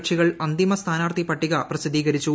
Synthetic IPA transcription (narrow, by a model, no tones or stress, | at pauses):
kʂiɣɐɭɐnd̪imɐst̪ʰaːnaːrt̪ipɐʈːiɣɐprɐsid̪iːɣɐɾit͡ɕːu